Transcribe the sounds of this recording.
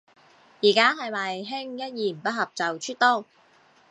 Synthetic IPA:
jiː˨˩kaː˥ɦɐ˨jmɐ˨jɦɪ˥ŋjɐ˥t̚jiː˨˩m̩˨˩pɐ˥t̚hɐ˨p̚t͡sɐ˨wt͡ʃʰyː˥t̪ɔː˥˩

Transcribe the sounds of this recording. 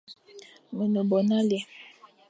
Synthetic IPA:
me˨no˨bɔ˨na˦li˨ɛ˨

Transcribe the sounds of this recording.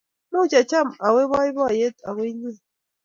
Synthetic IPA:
mu˦t͡ʃa˨t͡ʃa˦˨ma˨we˦bɔ˦i˦bɔ˦˨je˦ta̰˨we˦ɲi˦˨

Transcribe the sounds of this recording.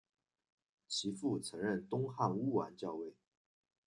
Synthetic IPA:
t͡ɕʰi˧˥fu˥˩t͡sʰɤ˧˥ŋɻə˥˩nt̪ʊ˥ŋxa˥˧˩nu˥wa˧˥nt͡ɕjɑ˥˧ʊwe˥˩ɪ

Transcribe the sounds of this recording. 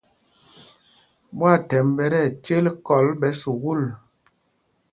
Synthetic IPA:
mwa˦˨tɛ˨mbɛ˨˦ɾɛ˦˨t͡ʃe˦lkɔ˨˦lɓɛ˨˦su˨ɣu˦˨l

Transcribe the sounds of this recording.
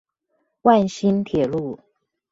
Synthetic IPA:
wa˥˩nɕi˥nt̪ʰjɛ˨˩lu˥˩

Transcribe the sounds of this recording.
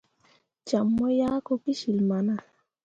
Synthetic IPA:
t͡ʃa˨mːɔ˦ja˦ko˦ki˦ʃi˨lma˨na˦˨

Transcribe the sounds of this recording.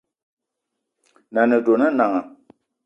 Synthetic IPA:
na˨nɨ˨do˨nɨ˦na˨ŋa˨

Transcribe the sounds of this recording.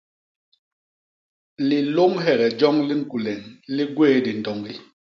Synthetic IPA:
li˨lo˦ŋɦɛ˦˨ɣɛ˨d͡ʒɔ˦ŋli˦ŋ̩˦ku˨lɛ˨ŋli˦ɡweː˦di˨n̩˨tɔ˨ŋli˦

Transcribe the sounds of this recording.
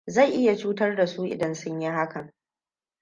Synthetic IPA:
za˦˨jʔɪ˦ja˨t͡ʃuː˦tɐ˦rda˨su˦ʔɪ̰˨dɐ˦nsʊ˦ɲji˦ha˦kɐ˨ŋ

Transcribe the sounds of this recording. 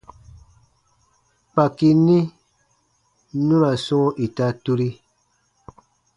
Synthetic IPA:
k͡pa˨ki˨nĩ˦ | nũ˦ɾa˨sɔ˦ŋo˦ʔi˨ta˦tu˦ɾi˦

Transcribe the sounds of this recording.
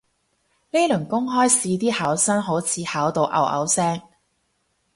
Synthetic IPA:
le˥jlɵ˨˩ŋkʊ˥ŋɦɔː˥jsiː˧t̪̬iː˥haː˨˥wsɐ˥nɦo˨˥wt͡sʰiː˧haː˨˥wt̪o˨˧wʔɐ̰˨˧wʔɐ̰˨˥wsɛː˥ŋ

